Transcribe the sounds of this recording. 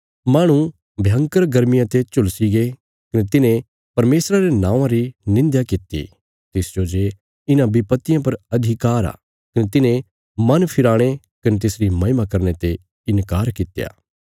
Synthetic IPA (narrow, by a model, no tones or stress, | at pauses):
maːɽ̃ũ | bʱjɐ̃ŋkəɾɡɐɾmɪjãt̪et͡ʃʊlsiɡe | kɐnet̪ɪnẽ | pɐɾmeːsɾaɾenãːʋãɾinɪ̃nd̪jakɪt̪ːḭ | t̪ɪsd͡ʒod͡ʒe | ɪnãbɪpɐt̪ːɪjãp̬ɐɾɐd̪ʱikaːɾa̰ː | kɐnet̪ɪnẽ | mɐnpʰɪɾaːɽ̃e | kɐnet̪ɪsɾimɐɪmakɐɾñet̪e | ɪnkaːɾkɪt̪ja̰ː